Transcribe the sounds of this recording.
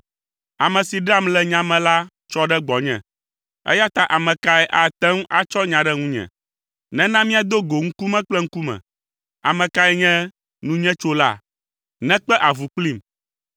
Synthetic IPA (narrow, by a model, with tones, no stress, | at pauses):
a˨mɛ̃˨si˨ɖa˦mlɛ˨ɲã˨mɛ̃˨la˦ | t͡ʃɔ˦ɖɛ˦ɡ͡bɔ˨ɲɛ̰̃˨ | ɛ̰˦ja˦t̪a˦ʔa˨mɛ̃˨ka˦ɛ˦ʔa˨t̪ɛ˦ŋũ˦ʔa˦t͡ʃɔ˦ɲã˨ɖɛ˦ŋũ˦ɲɛ̰̃˨ | nɛ̃˦nã˦mĩ˦a˨d̪o˦ɡo˨ŋ̩˦ku˦mɛ̃˦k͡plɛ˦ŋ̩˦ku˦mɛ̰̃˨ | a̰˨mɛ̃˨ka˦ɛ˦ɲɛ̃˦ | nũ˦ɲɛ̃˦t͡ʃo˦la̰˦˨ | nɛ̃˦k͡pɛ˦ʔa˨vu˨k͡pli˦m